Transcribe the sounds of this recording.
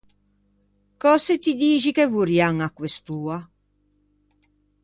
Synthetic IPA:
kɔset̪id̪iːd͡ʒikevuɾjaŋakːwest̪uːa

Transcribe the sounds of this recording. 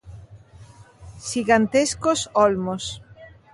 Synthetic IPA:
ʃiɣant̪eskosɔlmos

